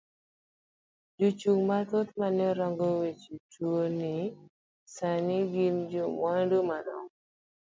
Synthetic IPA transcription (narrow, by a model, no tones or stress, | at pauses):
d͡ʒut͡ʃuŋmat̪ot̪manɛɾɔŋɡɔwet͡ʃitʰuonɪ | sanɪɡind͡ʒumwandumadɔ̰ŋ